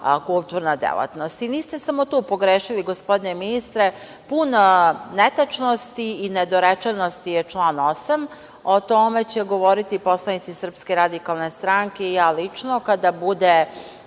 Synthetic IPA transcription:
kulˠt̪uːɾnad̪ḛlˠa̰t̪no̞st̪iniːst̪e̞samo̞t̪uːpo̞ɡɾeːʃiliɡospo̞d̪ineminist̪ɾe | punnet̪at͡ʃnost̪iined̪oɾet͡ʃenost̪ijet͡ʃlˠaːno̞sam | ot̪ome̞t͡ɕeɡo̞ʋo̞ɾit̪ipo̞slˠanit̪sisr̩pskeɾad̪ikalˠne̞st̪ɾaŋkeijaːlit͡ʃnokad̪abud̪e

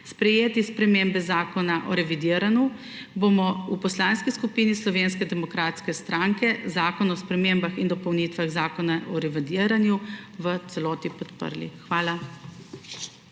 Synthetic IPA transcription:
spɾɛjeːt̪ispɾɛmeːmbɛzaːkɔnaʔɔɾɛʋid̪iːəɾanju | bomɔupɔslaːnskiskupiːnislɔʋeːnskɛd̪ɛmɔkɾaːt̪skɛst̪ɾaŋkɛzaːkɔnɔspɾɛmembaxind̪ɔpɔwnit̪ʋaɣzaːkɔnaʔɔɾɛʋid̪iːəɾanjuʋət̪sɛlɔːt̪ipɔt̪pə̰ɾlḭxʋaːla

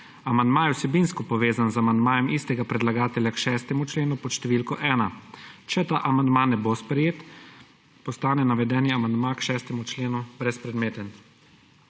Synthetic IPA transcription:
amand̪maːjɛwsɛbinskɔpɔʋeːzanzamand̪maːjɛmʔist̪ɛɡapɾɛd̪laɡaːt̪ɛlʲjakʃɛːst̪ɛmut͡ʃleːnupɔʃt̪ɛʋiːlkɔʔɛːnat͡ʃɛt̪aːʔamand̪maːnɛbospɾɛjeːt̪ | pɔst̪aːnɛnaʋɛd̪ɛːniamand̪makʃɛːst̪ɛmut͡ʃleːnubɾɛspɾɛd̪meːt̪ɛn

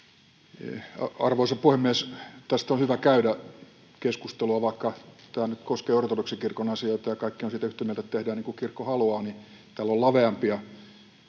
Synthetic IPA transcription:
ɑɑrʋoˑisɑpuhemːiest̪æst̪onhyʋækæydæ | keskust̪eluɑʋɑikːɑt̪æːnyt̪koskeːort̪otuksikirkonɑsioit̪ɑjɑkɑikːionsiːt̪æyht̪emielt̪æt̪t̪ehdæːniːŋkukirkːohɑluɑːni | t̪ælːollɑʋeɑmpiɑ

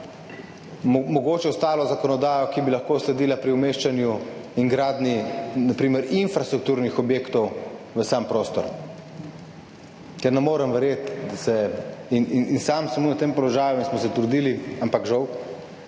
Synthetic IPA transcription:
mɔɡoːt͡ʃɛɔst̪aːlɔzakɔnɔd̪aːjɔkibilaxkoːslɛd̪iːlapɾiumeːʃt͡ʃanjuiŋɡɾaːd̪ninapɾiːmɛɾinfɾast̪ɾuk̚t̪uːɾnixɔbjeːkt̪ɔw | ʋəsampɾoːst̪ɔɾ | kɛɾnɛmoːɾəmʋɛɾjet̪d̪asɛinininsamsɛmuɐt̪empɔlɔʒaːjuinsmɔsɛt̪ɾud̪iːliampakʒɐw

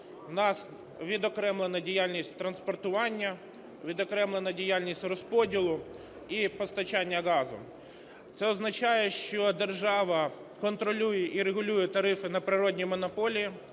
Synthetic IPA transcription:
wnɑs | ʋʲid̪ɔkɾɛmlˠenɐdʲijalʲnʲisʲtʲt̪ɾɐnspɔrt̪ʊʋɑnʲːɐ | ʋʲid̪ɔkɾɛmlˠenɐdʲijalʲnʲisʲtʲrɔspɔdʲilˠʊ | ipɔst̪ɐt͡ʃɑnʲːɐɣɑzʊ̰ | t̪sɛɔznɐt͡ʃɑjɛʃt͡ʃɔd̪erʒɑʋɐ | kɔnt̪ɾɔlʲujɛʔiɾeɣʊlʲujɛt̪ɐɾɪfɪnɐpɾɪɾɔdʲnʲijmɔnɔpɔlʲii

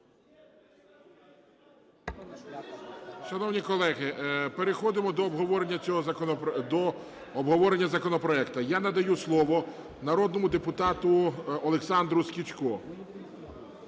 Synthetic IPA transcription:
ʃɐnɔwnʲikɔlˠɛɦɪpeɾexɔd̪ɪmɔd̪ɔːbɦɔʋɔɾenʲːɐt͡sʲɔɦɔd̪ɔː | bɦɔʋɔɾenʲːɐzɐkɔnɔpɾɔɛkt̪ɐjanɐd̪ɐjuslˠɔʋɔ | nɐɾɔd̪̚nɔmʊd̪epʊt̪ɑt̪ʊɔlˠeksɑnd̪ɾʊskʲit͡ʃkɔ

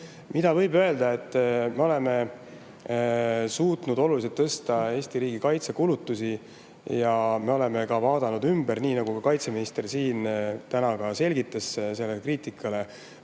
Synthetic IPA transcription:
mid̪̥ɑvɤjbø̞e̞ld̪ɑe̞t̪ˑːme̞o̞le̞me̞ | suːt̪nud̪o̞lulis̬et̪ːɤst̪ɑe̞ːsʲt̪iɾiːɡikɑjt̪se̞kulut̪ːˑusi | jɑme̞o̞le̞me̞kɑvɑːd̪̥ɑnud̪ymbeɾniːnɑɡ̥ukɑkɑjt̪se̞minist̪e̞rsiːnt̪ænɑɡ̥ɑse̞lʲɡit̪ːˑesse̞lːekriːt̪ikːˑɑle̞

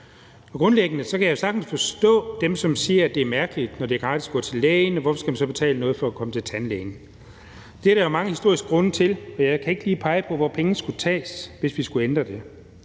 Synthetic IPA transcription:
ɒ̽ɡ̥ʁɔ̽nleɡ̥ənəsɒ̽kʰæjɑ̈jo̝sɑ̈ɡ̥n̩sfɒ̽sd̥ɔ̰̽ːd̥emsɒ̽msiːɐæd̥e̝æɐmæɐɡ̥əlid̥nɒd̥e̝æɐɡ̥ʁɑ̈ːd̥isɡ̥ɔ̰̽ːt͡sʰe̝leːɪnɒʋɒfɒ̽sɡ̥æmænsɒ̽b̥e̝t͡sʰɛ̰ːlənɔ̽ːð̞̩ˠfɒ̽ækʰɒ̽mət͡sʰe̝lt͡sʰænleːn | d̥eæɐɾɑjomɑ̈ŋəhisd̥o̝ɐisɡ̥ə̥ɡʁɔ̽nət͡sʰe̝lɒ̽jɑ̈ɪkʰæe̝ɡ̥əliːpʰɑ̈ɪəpʰɒ̽ʋɒpʰeŋnəsɡ̥ut͡sʰɛ̰ːsʋe̝sʋisɡ̥uend̥ʁɐd̥e̝

